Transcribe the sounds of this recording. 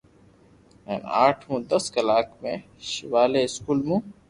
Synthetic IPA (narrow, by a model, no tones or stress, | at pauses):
mɛ̰ːna̰ːʈʰɦũːd̪əskəlaːkmḛ̃ː | ʃɪʋaːleːɪskuːlmũː